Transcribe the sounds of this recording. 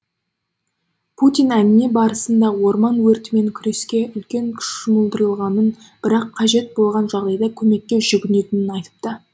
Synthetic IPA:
pʰut̪ʲijnænɪne̞bɑɾəsənd̪ɑwo̞ɾmɑnwɵɾt̪ɪme̞ŋkʲʰʏɾe̞skʲe̞ʔʏlkʲe̞ŋkʲʰʏ̥ʃʃəməlˠd̪əɾəlˠʁɑnən | b̥ɪɾɑqʰːɑʒe̞t̪̚bolˠʁɑnʒɑʁd̪ɑjd̪ɑkʲʰɵme̞kʲːe̞ʒ̥ʏɡʲɪne̞t̪ɪnɪnɑjt̪ə̥p̚t̪ə

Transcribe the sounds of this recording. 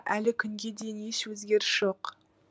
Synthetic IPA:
ʔælɪkʲʰʏŋɡʲe̞d̪e̞jɪnjeswɵzɡʲe̞ɾɪsʒ̥oq

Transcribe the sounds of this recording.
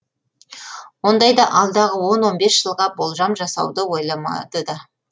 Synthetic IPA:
wo̞nd̪ɑjd̪ɑʔɑlˠd̪ɑʁəwo̞nwo̞nbesʒ̥əlˠʁɑbo̞lˠʒɑmʒɑsɑ̰wd̪əwo̞jlˠɑmɑ̰d̪əd̪ə

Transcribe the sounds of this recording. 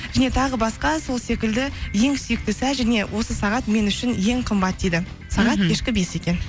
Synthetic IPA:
ʒæne̞t̪ʰɑʁəbɑsqɑso̞lˠse̞kʲɪld̪ɪje̞ŋsʏjɪk̚t̪ɪsæʒæne̞wʔo̞səsɑʁɑt̪me̞nʏʃɪnje̞ŋqʰəmbɑt̪̚d̪ejd̪ɪ | sɑʁɑt̪̚kʰʲe̞ʃkʲɪbe̞se̞kʲe̞n

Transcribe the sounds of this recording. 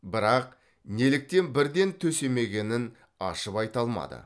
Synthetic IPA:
bɪɾɑq | nelɪk̚t̪e̞nbɪɾd̪e̞nt̪ʰɵse̞me̞ɡʲe̞nɪn | ɑ̰ʃəpɑjt̪ɑlˠmɑ̰d̪ə̰

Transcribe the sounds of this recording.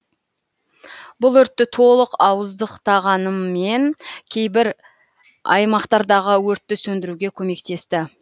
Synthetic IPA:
bʊlˠɵɾt̪ːɪt̪ʰo̞lˠəqɑwəzd̪əqt̪ʰɑʁɑnəmːe̞nkʲʰe̞jbɪɾ | ɑ̰jmɑqt̪ɑɾd̪ɑʁəwɵɾt̪ːɪsɵnd̪ɪɾuɡʲe̞kʲʰɵme̞kt̪e̞st̪ɪ

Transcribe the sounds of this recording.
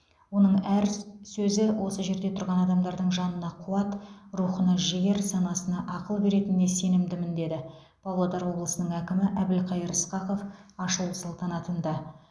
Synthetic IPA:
wo̞nəɴæɾsɵzɪwʔo̞səʒe̞ɾd̪e̞t̪ʰʊɾʁɑnɑd̪ɑmd̪ɑɾd̪əɴʒɑnənɑqʰuɑt̪ruχənɑʒɪjeɾsɑnɑsənɑʔɑqəlˠbe̞ɾe̞t̪ɪnːe̞se̞nɪmd̪ɪmɪnd̪e̞d̪ɪ | b̥ɑwlˠɑd̪ɑɾwo̞blˠəsənəɴækʲɪmɪʔæbɪlqʰɑjəɾəsqɑqo̞fɑʃəlˠəsɑlˠt̪ɑnɑt̪ənd̪ɑ

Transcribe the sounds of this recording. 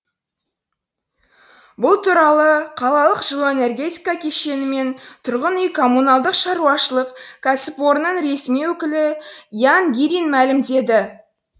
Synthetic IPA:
bʊlˠt̪ʰuɾɑlˠəqʰɑlˠɑlˠəqʒ̥əlˠoene̞rɡʲe̞t̪ikɑkʲʰe̞ʃe̞nɪme̞nt̪ʰʊɾʁənʏjkʰo̞mːunɑlˠd̪əqʃɑɾuɑʃəlˠəqkʲʰæsɪpwo̞ɾənəɴɾe̞smijwɵkʲɪlɪjaŋɡʲiɾinmælɪmd̪e̞d̪ɪ

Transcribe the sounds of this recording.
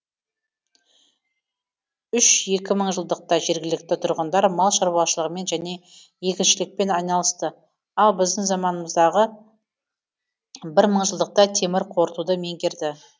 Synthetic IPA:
ʏʃje̞kʲɪməɴʒəlˠd̪əq̚t̪ɑʒe̞ɾɡʲɪlɪk̚t̪ɪt̪ʰʊɾʁənd̪ɑɾmɑlˠʃɑɾbuɑʃəlˠəʁəme̞nʒæne̞ | je̞kʲɪnʃɪlɪk̚pe̞nɑjnɑlˠəst̪ə | ɑlˠbɪzd̪ɪŋzɑmɑnəməzd̪ɑʁə | bɪɾməɴʒəlˠd̪əq̚t̪ɑt̪ʰe̞mɪɾqʰo̞ɾt̪ud̪əme̞ŋɡʲe̞ɾd̪ɪ

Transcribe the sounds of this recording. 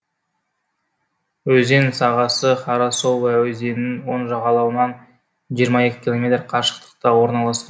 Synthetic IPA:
wɵze̞nsɑʁɑsəχɑɾɑsowæwɵze̞nɪnwo̞nʒɑʁɑlˠɑwənɑn | ʒijəɾmɑe̞kʲɪ̥kʲilˠo̞mʲe̞t̪rqʰɑʃə̥qt̪ə̥q̚t̪ɑwo̞ɾnɑlˠɑsqɑ

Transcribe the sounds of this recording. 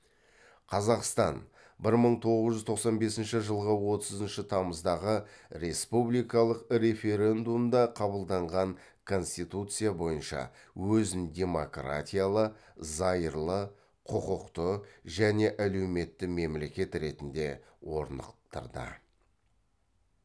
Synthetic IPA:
qʰɑzɑqst̪ɑn | bɪɾməɴt̪ʰo̞ʁəzʒʏzt̪ʰo̞qsɑnbe̞sɪnʃɪʒəlˠʁəwo̞t̪əzənʃɪt̪ʰɑməzd̪ɑʁəɾe̞spublijkɑlˠəqɾe̞fe̞ɾʲe̞nd̪umd̪ɑqʰɑbəlˠd̪ɑɴʁɑɴ | kʰo̞nsʲt̪it̪ut̪sɨjabo̞jənʃɑ̰ | wɵzɪnd̪ʲe̞mo̞kra̰tʲijalˠəzɑjəɾlˠə | qʰʊqʊqt̪əʒæne̞ʔæle̞wme̞t̪ːɪme̞mle̞kʲe̞t̪ɾe̞t̪ɪnd̪e̞ | wo̞̰ɾnə̰qt̪ə̰ɾd̪ə̰

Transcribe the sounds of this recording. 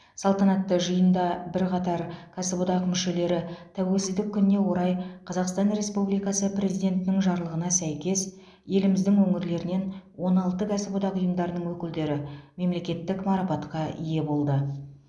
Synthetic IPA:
sɑlˠt̪ɑnɑt̪ːəʒəjənd̪ɑbɪɾqʰɑt̪ɑɾkʰasebod̪ɑqmʏʃe̞le̞ɾɪt̪ʰæwe̞lsɪzd̪ɪkʲːʏnɪnːe̞wo̞ɾɑjqʰɑzɑqst̪ɑnɾe̞spublijkɑsəprʲe̞zijd̪ʲe̞nt̪ɪnɪŋʒɑɾlˠəʁənɑsæjkʲe̞s | je̞lɪmɪzd̪ɪŋwɵŋɪɾle̞ɾɪne̞nwo̞nɑlˠt̪əkʰæsebod̪ɑqujəmd̪ɑɾənəɴwɵkʲɪld̪e̞ɾɪme̞mle̞kʲe̞t̪ːɪkmɑɾɑpɑt̪qɑʔḭje̞bo̞lˠd̪ə

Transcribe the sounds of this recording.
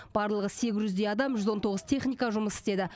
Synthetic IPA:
b̥ɑɾlˠəʁəse̞ɡʲɪzʒʏzd̪ejɑd̪ɑmʒʏzo̞nt̪ʰo̞ʁəz̥t̪ʰe̞χnijkɑʒʊməsɪ̥st̪e̞d̪ɪ

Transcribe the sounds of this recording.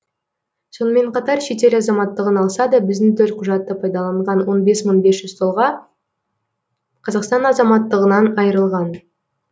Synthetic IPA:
so̞nəme̞ɴqɑt̪ɑɾʃe̞t̪e̞ɾɑzɑmɑt̪ːəʁənɑlˠsɑd̪ɑbɪzd̪ɪŋt̪ʰɵɾt̪̚qʰʊʒɑt̪ːəpʰɑjd̪ɑlˠɑɴʁɑnwo̞nbe̞sməɴbe̞sʒ̥ʏzt̪ʰo̞lˠʁɑ | qʰɑzɑqst̪ɑnɑzɑmɑt̪ːəʁənɑnɑjəɾəlˠʁɑn

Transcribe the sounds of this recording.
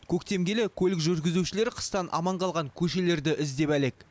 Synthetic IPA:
kʲʰɵkt̪e̞mɡʲe̞lekʲʰɵlɪkʒʏɾɡʲɪzuwʃɪle̞ɾqʰə̥st̪ɑnʔɑ̰mɑɴqʰɑlˠʁɑŋkʲʰɵʃe̞le̞ɾd̪ɪʔɪzd̪e̞pæle̞k

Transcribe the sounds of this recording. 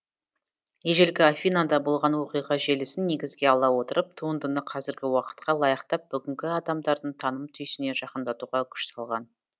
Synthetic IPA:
jeʒe̞lɡʲɪafʲijnad̪ɑbolˠʁɑnwo̞qijʁɑʒe̞lɪsɪnːe̞ɡʲɪzɡʲe̞ɑlˠɑwo̞t̪əɾəp̚t̪ʰuənd̪ənəqʰɑzɪɾɡʲɪwɑqə̥t̪qɑlˠɑjɑqt̪ɑp̚b̥ʏɡʲɪŋkʲɪɑd̪ɑmd̪ɑɾd̪əɴt̪ʰɑnəmt̪ʰʏjsɪne̞ʒɑqənd̪ɑt̪uʁɑkʲʰʏ̥ʃsɑlˠʁɑn

